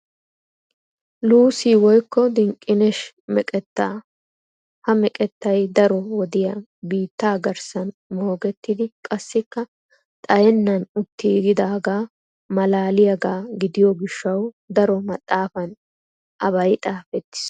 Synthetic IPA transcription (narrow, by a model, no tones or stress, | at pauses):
luːsiːwɔjkːɔd̪ɪŋkʼːɪnɛʃ | mɛkʼɛt̪ːaː | hɐmɛkʼɛt̪ːɐjd̪ɐɾɔwɔd̪ɪjɐ | biːt̪ːaːɡɐɾsɐnmo̞ːɡɛt̪ːɪd̪ɪkʼɐsːɪkːɐ | t̪ʼɐjɛnːɐnʊt̪ːiɡɪd̪aːɡaː | mɐlaːlɪjɐɡaːɡɪd̪ɪjɔɡɪʃːɐw | d̪ɐɾɔmɐt̪ʼːaːfɐn | ʔɐβɐjt̪ʼaːfɛt̪ːɪ̥s